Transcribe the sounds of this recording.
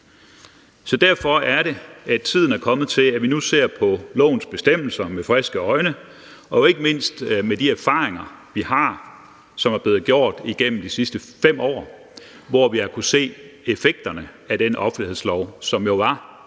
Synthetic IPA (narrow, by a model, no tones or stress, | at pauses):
sɒ̽d̥æɐ̰fɒ̽æɐɾe̝æt͡sʰið̞̰ˠn̩æɐkʰɒ̽mð̩ˠt͡sʰe̝læʋinuse̝ɐ̰pʰɒ̽lɔ̰̽ːʊn̩sb̥e̝sd̥em̰l̩sɐmefʁɛsɡ̥əɒ̽ɪnə | ɒ̽jo̝e̝ɡ̥əme̝n̰sd̥med̥iæɐfɑ̈ːeŋɐʋihɑ̈ | sɒ̽mæɐb̥le̝ːð̩ˠɡ̥jo̝ɐ̰d̥iɡ̥en̰m̩d̥isisd̥əfem̰ɒ̰ː | ʋɒʋiɑkʰuse̝̰ːe̝feɡ̥̚d̥ɐnə | æd̥enʔɒ̽fn̩lihe̝ðˠslɒʊ̰sɒ̽mjo̝ʋɑ̈